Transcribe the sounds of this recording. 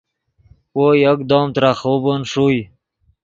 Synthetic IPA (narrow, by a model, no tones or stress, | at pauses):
ojəkd̪oːmt̪ɾaχobonʂuj